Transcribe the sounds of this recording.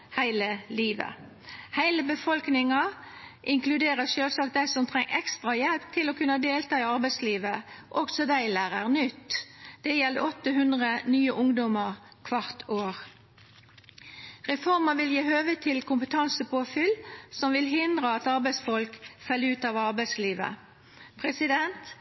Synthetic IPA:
hæɪləliːʋə̰ | hæɪləbəfɔlknɪŋɑʔɪŋklʉd̪eːʁəʃøːlsɑːk̪̚d̪æɪsɔmt̪ʰʁɛŋːʔɛkst̪ʁɑjɛlpt̪ʰɪlɔkʉnːəd̪eːlt̪ɑːɪɑʁbæɪsliːʋəʔɔksɔd̪æɪlæːʁəʁnʏt̪ːd̪̥ɛjɛld̪əɔt̪ːəɦʉnd̪ʁənyːəʔʊŋd̪ɔməʁ | kʰʋɑʁt̪ʰoːʁ | ʁɛfɔʁməʋɪljiːhøːʋət̪ʰɪlkʰʊmpət̪ʰɑnsəpʰoːfʏlsɔmʋɪlɦɪnd̪ʁəɑt̪ɑʁbæɪsfɔlkfɛlːəʉːt̪ɑːʋɑʁbæɪsliːʋə̰ | pʰʁɛsɪd̪ɛnt̪

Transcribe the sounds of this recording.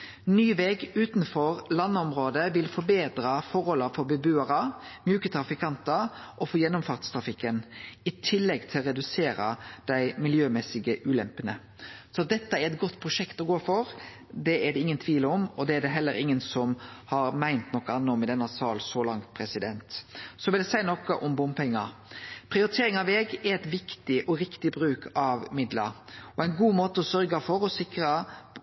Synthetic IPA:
nyːʋɛɡʉːt̪nfɔɾlɑnːəɔmɾoːd̪əʋɪlfɔɾbeːd̪ɾɑfɔɾhɔlːəɾfɔɾbɛbʉːɑɾəmjʉːkət̪ʰɾɑfɪkʰɑnt̪əʔɔfɔjɛnːʊmfɑɾt̪st̪ʰɾɑfɪkːənɪt̪ʰɪlːɛɡt̪ʰɪlɔɾɛd̪ʉseːɾɑ̰d̪̥æɪmɪljøːmɛsɪɡəʔʉːlɛmpənə | sɔɑt̪̚d̪ɛt̪ːəæɾɛt̪ɡɔt̪ːpʰɾʊʂɛkt̪ɔɡoːfɔɾ | d̪ɛæd̪ɛɪŋːənt̪ʰʋiːləɔmɔd̪ɛæd̪ɛɦɛlːəɾɪŋːənsɔmhɑɾmæɪnt̪nɔkːəɑnːəɔmɪd̪ɛnːəsɑːlsɔlɑŋt̪̚pʰɾɛsɪd̪ɛnt̪sɔʋɪld̪ɛsæɪnɔkəʔɔmbʊmpɛŋːɑpʰɾɪʊɾɪt̪ʰeːɾɪŋɑʋɛːɡɛɾɛt̪ʋɪkt̪ɪʔɔɾɪkt̪ɪbɾʉːkʰɑʋmɪd̪ləɾɔæɪnɡuːmoːt̪əɔsœɾɡəfɔɾɔsɪkɾə

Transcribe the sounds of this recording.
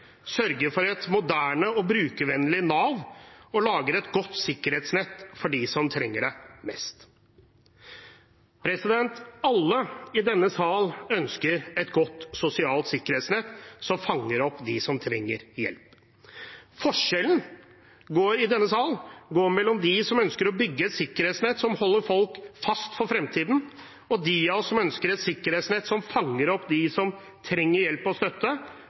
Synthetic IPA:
sœɾɡəɾfɔɾɛt̪mʊd̪æːɳəɔbɾʉːkəʋɛnlɪnɑːʋɔlɑːɡəɾɛt̪ɡɔt̪ːsɪkːəɾheːt̪snɛt̪ːfɔɖɪsɔmt̪ʰɾɛŋːəɖɛmɛst̪ | pʰɾɛsɪd̪ɛnt̪ɑlːəɪd̪ɛnːəsɑːlœnskəɾɛt̪ɡɔt̪ːsʊsɪɑːlt̪sɪkːəɾheːt̪snɛt̪ːsɔmfɑŋːəɾɔpːd̪ɪsɔmt̪ʰɾɛ̰ŋːə̰ɾjɛ̰lp | fɔʂɛlən | ɡoːɾɪd̪ɛnːəsɑːlɡoːɾmɛlːɔmd̪ɪsɔmœnskəɾɔbʏɡːəɛt̪sɪkːəɾheːt̪snɛt̪sɔmhɔlːəɾfɔlkfɑst̪fɔɾfɾɛmt̪ʰiːd̪n̩ | ɔd̪iɑɔsːɔmœnskəɾɛt̪sɪkːəɾeːt̪snɛt̪ːsɔmfɑŋːəɾɔpːd̪ɪsɔm | t̪ʰɾɛŋːəɾjɛlpɔst̪œt̪ːə

